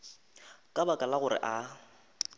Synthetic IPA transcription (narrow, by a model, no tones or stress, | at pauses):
kʼabakʼalaɣʊrɪ̰ʔa